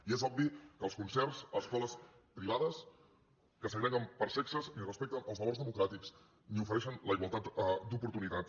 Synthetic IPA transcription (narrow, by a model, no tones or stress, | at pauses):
iezɔbbikəlˠskunsɛrsəskɔləs | pɾiβaðəs | kəsəɣɾɛɣəmpəɾsɛksəznirəspɛk̚t̪ənəlˠβəlorzðəmukɾat̪iks | niufəɾɛʃənləiɣwalˠt̪at̪d̪upuɾt̪unit̪at̪